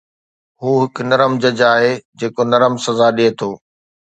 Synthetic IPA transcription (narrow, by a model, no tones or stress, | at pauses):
ɦuːɦɪkʊnɐɾəmd͡ʑɐd͡ʑaːɦeːd͡ʑeːkonɐɾəmsɐzaɗiet̪ʰoː